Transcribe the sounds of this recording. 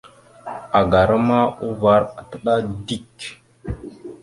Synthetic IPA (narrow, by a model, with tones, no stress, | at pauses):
a˨ɡa˨ɾa˦ma˦u˦va˨˦ɾa˨tə˦ɗa˦di˦˨k